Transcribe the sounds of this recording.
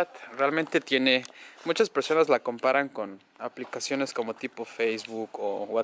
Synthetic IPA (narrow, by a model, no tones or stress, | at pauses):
at̪realmẽnt̪e̞t̪je̞ne̞mut͡ʃaspeɾso̞nazlako̞mpaɾaŋko̞n | aplikasjo̞ne̞sko̞mo̞t̪ipofejzβukowa